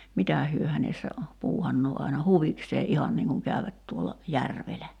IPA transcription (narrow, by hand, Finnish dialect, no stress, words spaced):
mitæˑ hyø hænesːæ puːhɑnːoː ɑinɑ huʋikseː ʔihɑn niːŋ kuŋ kæˑyʋæt tuolɑ jærʋelæ